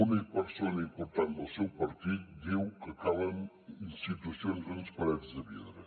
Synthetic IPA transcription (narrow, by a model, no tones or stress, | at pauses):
unipəɾsonəimpuɾt̪and̪əlˠsewpəɾt̪it̪̚d̪iwkəkaləm | inst̪it̪usjonrənspəɾɛt̪zd̪əβiðɾə